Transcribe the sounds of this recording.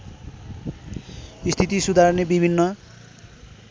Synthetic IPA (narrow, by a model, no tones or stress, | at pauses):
ist̪ʰit̪isud̪ʱarnebibʱinːʌ